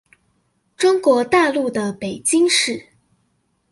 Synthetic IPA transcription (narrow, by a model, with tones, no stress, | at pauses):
ʈ͡ʂʊ˥ŋkwɔ˧˥t̪a˥˧lu˥˩d̪ə˩pe˨˩ɪt͡ɕi˥ŋʂɻ̩˥˩